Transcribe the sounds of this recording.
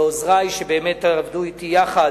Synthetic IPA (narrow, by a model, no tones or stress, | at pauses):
ozʁajʃebeːmet̪ːavd̪uit̪ijaχa